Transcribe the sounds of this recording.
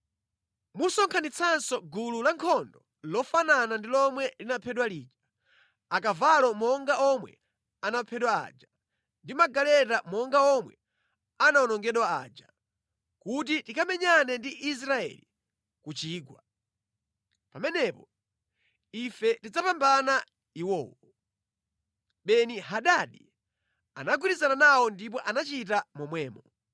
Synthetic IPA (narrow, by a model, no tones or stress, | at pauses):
musɔŋkʰanit͡sʰansɔɡululaŋkʰɔndɔ | lɔfananandilɔmwɛlinapʰɛɗwaliːd͡ʒḁ | akavalɔmɔŋɡaʔɔmwɛ̰ | anapʰɛɗwa̰ːd͡ʒa | ndimaɡalɛtamɔŋɡaɔmwɛ | anaɔnɔŋɡɛɗwaa̰ːd͡ʒa | kut̬itikamɛɲanɛndiʔis̬ɾaɛ̰li | kut͡ʃiːɡwa | pamɛnɛpɔ | ifɛtid͡zapambana | iwɔːwɔ | ɓɛniɦaɗaɗi | a̰naɡwiɾizananawɔndip̬ɔʔanat͡ʃit̬amɔmwɛːmɔ